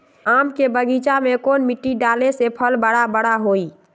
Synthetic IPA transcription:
amkebəɡit͡ʃamekonmiʈːiɖalesepʰəlbəɽabəɽaɦoi

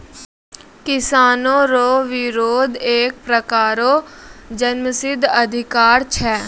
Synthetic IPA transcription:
kɪsaːnõːɾoːʋɪɾoːd̪eːk̚pɾəkaːɾoːd͡ʒənməsɪd̪ʱəd̪ʱɪkaːɾt͡ʃʰɛː

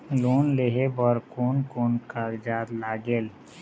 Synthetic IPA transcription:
loːnleɦebɔɾkoːnkoːnkaːɡd͡ʒaːd̪laːɡeːl

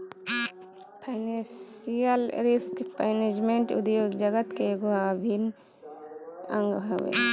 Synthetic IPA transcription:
pʰaɪnesijəlɾiskpɛːned͡ʒmeɳʈṵd̪joːɡd͡ʒəɡət̪keɡuɦabʱin | ə̰̃ŋɡbʱɐ̰wḛ

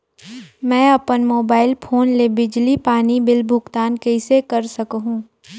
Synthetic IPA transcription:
mɛ̃ːɐpənmoːbaːɪlpʰoːnlebɪd͡ʒlipaːnibɪlbʱʊɡt̪aːnkɐɪsekɐɾsɐkɦũː

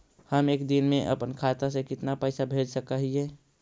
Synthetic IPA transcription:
həmeːkd̪ɪnmẽʔə̰pənkʰaːt̪asẽkɪt̪napəjsabʱed͡ʒsəkəɦiɦɛː

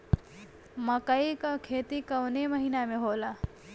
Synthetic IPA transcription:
məkəikakʰeːt̪ikəwneməɦinameɦoːla

